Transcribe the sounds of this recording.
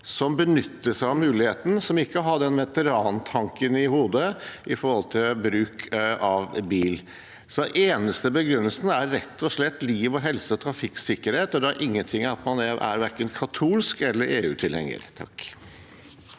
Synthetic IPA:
sɔmbənʏt̪ːəʂæɪɑʋmʉːlɪheːt̪n̩sɔmɪkːəɔɦɑɖɛnʋɛt̪əɾɑːnt̪ʰɑŋkənɪhuːd̪əʔɪfɔɾhɔlt̪ʰɪlbɾʉːkʰɑʋbiːl | sɔʔeːnəst̪əbəɡɾʉnːəlsnəæɾɾɛt̪ːɔʂlɛt̪ːliːʋɔɦɛlsəɔt̪ʰɾɑfɪksɪkːəɾheːt̪ɔd̪ɛɑɾʔɪŋːənt̪ʰɪŋːɑt̪mɑnɛæ̰ɾʋæɾkənkʰɑt̪ʰuːlskɛlːəɾʔeːʉ̰ːt̪ʰɪlhɛ̰ŋːə̰ɾt̪ʰɑ̰k

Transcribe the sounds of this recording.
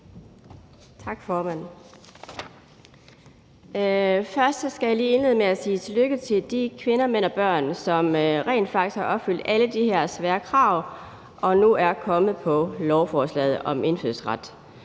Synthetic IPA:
t͡sʰɑ̈ɡ̥fɒːmæn̰ | fɶɐsd̥sɡ̥æjɑ̈liːe̝nle̝ð̩ˠmeæsiːt͡sʰe̝løɡ̥ət͡sʰe̝ld̥ikʰʋe̝nɐmen̰ɒ̽b̥ɶɐ̰nsɒ̽mʁɛ̰ːnd̥fɑ̈ɡd̥ishɑ̈ʔɒ̽b̥fyl̰d̥æləd̥iɦeɐ̰sʋæːɐkʰʁɑ̈ʊ̰ | ʔɒ̽nuæɐkʰɒ̽mð̞̩ˠpʰɒ̽lɒʊfɒːslɛ̰ːð̩ˠɒ̽me̝nfyð̩ˠsʁɑd̥

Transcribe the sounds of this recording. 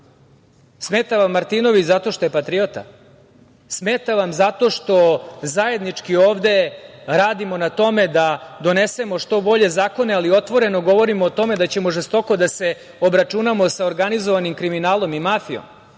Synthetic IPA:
smeːt̪aʋamːaɾt̪ino̞ʋit͡ɕzat̪o̞ʃt̪o̞jepat̪ɾio̞t̪a̰ | smeːt̪aʋamzat̪o̞ʂt̪o̞zaje̞d̪nit͡ʂkioːʋd̪e̞ɾaːd̪imo̞nat̪o̞me̞d̪ad̪o̞ne̞se̞mo̞ʂt̪o̞bo̞ʎe̞zaːko̞ne̞alio̞t̪ʋo̞ɾe̞no̞ɡo̞ʋo̞ɾimoːt̪o̞me̞d̪at͡ɕe̞mo̞ʐest̪o̞ko̞d̪ase̞ | obɾat͡ʃunamo̞saoɾɡanizoʋanimkɾiminaːlo̞mimafio̞̰m

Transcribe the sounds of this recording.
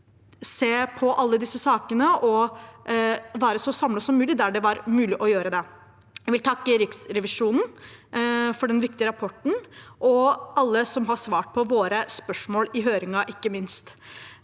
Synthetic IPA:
seːpʰɔʔɑlːəd̪ɪsːəsɑːkənəʔɔ | ʋæːɾəsɔsɑmləsɔmːʉːlɪd̪æɖɛʋɑɾmʉːlɪʔɔjøːɾəd̪ɛ | jæʋɪlt̪ʰɑkːəɾɪksɾɛʋɪʂuːnn̩ | fɔɖɛnʋɪk̚t̪ɪəɾɑpʰɔʈɳ̩ʔɔʔɑlːəsɔmɦɑʂʋɑːʈ̚pʰɔʋoːɾəspœʂmoːlɪɦøːɾɪŋɑʔɪkːəmɪnst̪

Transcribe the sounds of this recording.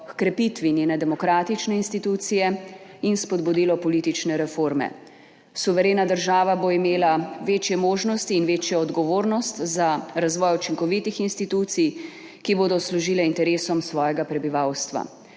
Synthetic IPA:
kkɾɛpit̪ʋinʲjeːnɛd̪ɛmɔkɾaːt̪it͡ʃnɛinst̪it̪uːt̪sijɛinspɔd̪bud̪iːlɔpɔlit̪it͡ʃnɛɾɛfoɾmɛ̰ | suʋɛɾeːnad̪əɾʒaːʋaboimeːlaʋeːt͡ʃjɛmoːʒnɔst̪iːnʋeːt͡ʃjɔɔd̪ɡɔʋoːɾnɔst̪zaɾazʋɔːjut͡ʃiŋkɔʋit̪ixinst̪it̪uːt̪sij | kiboːd̪ɔsluʒiːlɛint̪ɛɾeːsɔmsʋɔːjɛɡapɾɛbiʋawst̪ʋa̰

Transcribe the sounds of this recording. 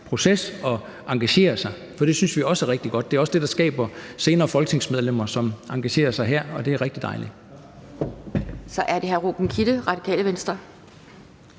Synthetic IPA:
pʰʁo̝sesɒ̽ | ɑ̈ŋɡ̥æɕe̝̰ːɐsɑ̈ɪ | fɒ̽d̥e̝synsʋiɒ̽sæʁeɡ̥̚d̥iɡ̥ɒ̽d̥de̝æɐɒ̽səd̥e̝d̥ɑ̈sɡ̥ɛ̰ːb̥ɐse̝ːnɐːfɒ̽lɡ̥ə̥t͡sʰe̝ŋsmeð̞ˠlem̰ɐsɒ̽mɑ̈ŋɡ̥æɕe̝̰ːɐsɑ̈ɪɦæɐ̰ɒ̽d̥e̝æɐʁeɡ̥d̥id̥ɑ̈ɪli | sɒ̽ʔæɐde̝hæɐʁoɡ̥n̩kʰid̥əʁɑ̈d̥ikʰɛ̰ːləʋensd̥ʁɐ

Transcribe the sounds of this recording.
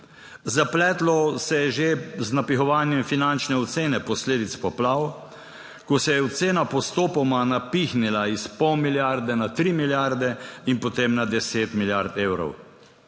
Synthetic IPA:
zaplɛːt̪lɔsɛjɛʒeznapixɔʋaːnjɛmfinant͡ʃnɛɔt̪seːnɛpɔsleːd̪it̪spɔplaw | kɔsɛjɛɔt̪seːnapɔst̪oːpɔmanapixnilaispɔwmiljaɾd̪ɛnat̪ɾiːmiljaɾd̪ɛinpɔt̪emnad̪ɛseːt̪miljaɾt̪eːwɾɔ̰w

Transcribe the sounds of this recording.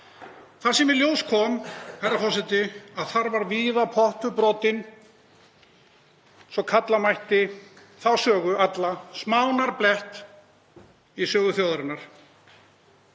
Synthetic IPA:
θaɾ̥sɛmɪljoːwskʰɔːmhajɾːafɔsɛt̪ɪaðθaɾvaɾviːðapʰɔht̪ʏpɾɔːt̪ɪn | sɔkʰat̪lamajht̪ɪ | θaðsœːɣʏʔat̪lasmaːwnaɾplɛht̪ | isœːɣʏθjaːwðʏɾʏnːaɾ̥

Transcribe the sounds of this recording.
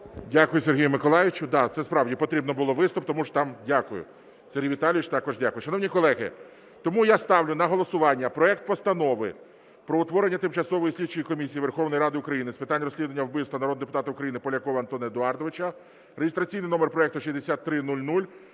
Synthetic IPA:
dʲakʊjʊserɦʲijʊmɪkɔlˠɑjɪt͡ʃʊd̪ɑt̪sɛspɾɑwdʲipɔt̪ɾʲibnɔbʊlˠɔʋɪst̪ʊp̚t̪ɔmuʒt̪ɑmdʲakʊjʊ̰ | serʲɦʲiʋʲit̪ɑlʲʋʲɪt͡ʃt̪ɑkɔʒdʲakʊjʊʃɐnɔwnʲikɔlˠɛɦɪ̰ | t̪ɔmujast̪ɑwlʲʊnɐɦɔlˠɔsʊʋɑnʲːɐpɾɔɛkt̪̚pɔst̪ɐnɔʋɪ̰ | pɾɔʊt̪ʋɔɾenʲːɐt̪ɪmt͡ʃɐsɔʋɔjisʲlʲit͡ʃːʊjikɔmʲisʲijiʋerxɔwnɔjiɾɑd̪ɪʊkɾɐjinɪspɪt̪anʲrɔsʲlʲid̪ʊʋnʲːɐwbɪwst̪ʋɐnɐɾɔd̪d̪epʊt̪ɑt̪ɐʊkɾɐjinɪpɔlʲɐkɔʋɐɐnt̪ɔnɪd̪ʊɑrd̪ɔʋɪt͡ʃɐ | ɾejest̪ɾɐt͡sʲijnɪjnɔmerpɾɔɛk̚t̪ʊʃizd̪esʲat̪ːɾɪnulʲnulʲ

